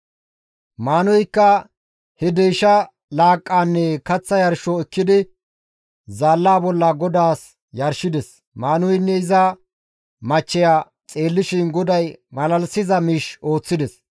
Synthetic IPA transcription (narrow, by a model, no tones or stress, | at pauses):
maːnɔjkːɐ | hɛd̪ɛjʃɐ | laːkʼːaːnːɛkɐt͡sːɐjɐɾʃɔɛkːɪd̪ɪ | zaːlːaːbɔlːɐɡɔd̪aːs | jɐɾʃɪd̪ɛs | maːnɔjnːɛɪzɐ | mɐt͡ʃːɛjaː | t͡sʼe̞ːlːɪʃɪnɡɔd̪ɐjmɐlɐlsɪzɐmiʃo̞ːt͡sːɪd̪ɛs